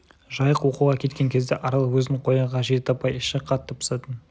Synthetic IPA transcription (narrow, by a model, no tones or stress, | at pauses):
ʒɑjəqwo̞quʁɑkʲʰe̞t̪kʲe̞ŋkʲʰe̞zd̪e̞ʔɑɾɑlˠwɵzɪnɪɴqʰo̞jɑʁɑʒe̞t̪ɪɑpɑjɪʃɪqʰɑt̪ːəpʰʊ̥sɑt̪ən